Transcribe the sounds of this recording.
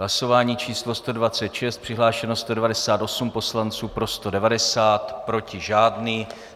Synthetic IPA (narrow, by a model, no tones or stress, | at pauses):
ɦlaso̞vaːɲiːt͡ʃiːslo̞st̪o̞dvat͡sɛt̪ʃɛst̪̚pr̥ɪɦlaːʃɛnost̪o̞dɛvadɛsaːt̪ʔo̞sumpo̞slant͡suːpɾo̞st̪o̞dɛvadɛsaːt̪pɾo̞cɪʒaːdniː